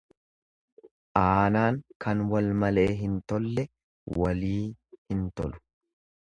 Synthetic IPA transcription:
ʔaːnaːŋkɐnwɐlmɐle̞ːɦɪnt̪ɔlːɛ | wɐliːhɪnt̪ɔ̰lʊ̥

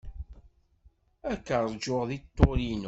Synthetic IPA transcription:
ækːəɾˤd͡ʒʊʁðit̪ːoɾinu

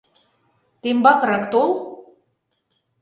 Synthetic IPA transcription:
t̪embɑkɾɑkt̪olˠ

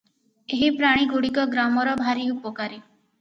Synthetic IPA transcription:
eɦipɾaɽ̃iɡuɽikɔɡɾamɔɾɔbʱaɾiupɔkaɾi

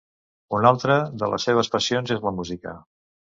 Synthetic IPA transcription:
unalˠt̪ɾəðələ̰sːeβ̞əspəsionzezləmuzikə̰

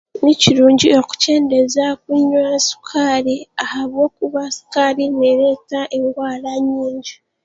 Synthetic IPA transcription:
niciɾuːɲɟio̞ku̥ce̞ːnde̞zakuɲːwasu̥kʰaːɾiahaβwo̞ːkuβasu̥kaːɾine̞ɾeːtaʔe̞ŋɡwaːlaɲːiːɲɟa

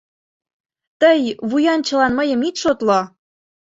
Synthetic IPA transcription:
t̪əjβujɑnt͡ɕə̆lɑnməjə̆mit̪ʃot̪lɑ

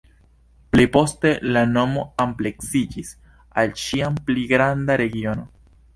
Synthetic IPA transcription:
plepo̞ste̞lano̞mo̞ample̞ksid͡ʒis | alʃiampliɡɾand̪aɾe̞ɡio̞no

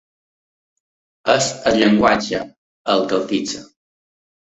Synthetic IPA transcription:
əzəʎəŋɡwat͡ʃə | əlˠkəlt̪id͡zə

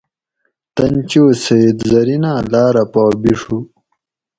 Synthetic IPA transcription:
t̪ɐnt͡ɕiosɐid̪zɐɾinãːlaːɾɐpaːbiʂu

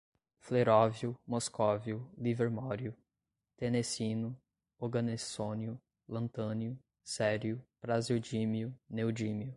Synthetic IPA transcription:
fleɾɔvjʊmoskɔviʊliveɾmɔɾjʊ | t̪ẽnesĩnʊ | oɡɐnesõniʊ | lɐ̃nt̪ɐ̃niʊ | sɛɾjʊpɾaziwd͡ʒimiʊnewd͡ʒĩmiʊ

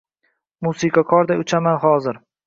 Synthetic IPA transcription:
musikʰakʰɒɾd̪aʊt͡ʃʰamanhɒzɪɾ

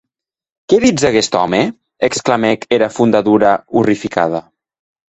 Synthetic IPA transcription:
keðid͡zaɣest̪ɔme | eksklamekeɾafund̪aðuɾaurifika̰ða

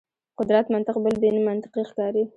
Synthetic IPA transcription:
qʊd̪ɾat̪mant̪ɪqbəlb̪enimant̪ɪ̥qixkɑɾi

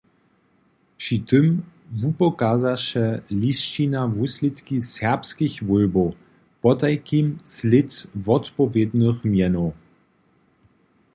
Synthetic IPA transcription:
pʂit̪əmvupɔkaːzaʃɛlist͡ʃinavuslɪt̪kisɛʁpskixvɔlbo | pɔtajkimslɪtvɔtpɔvjed̪nəxmjɛno

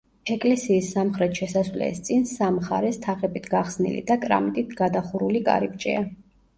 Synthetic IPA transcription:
ɛkʼlɛsiːsːamχɾɛt̪ʰʃɛsaswlɛ̰st̪sʼinsamχaɾɛst̪ʰaʁɛbit̪ʰɡaχsnḭlḭd̪akʼɾa̰mit̪ʼit̪ʰɡad̪aχuɾulikʼa̰ɾip̚t͡ʃʼɛ̰a

